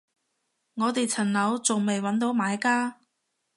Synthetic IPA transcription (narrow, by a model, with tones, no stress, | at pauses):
ŋɔː˨˧t̪e˨jt͡sʰɐ˨˩nlɐ˨˥wt͡sʊ˨ŋme˨jwɐ˨˥nt̪o˨˥wmaː˨˥jkaː˥